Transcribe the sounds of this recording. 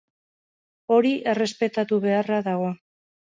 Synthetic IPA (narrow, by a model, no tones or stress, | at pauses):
o̞ɾiʔe̞re̞spe̞t̪at̪uβe̞araðaɣ̞o̞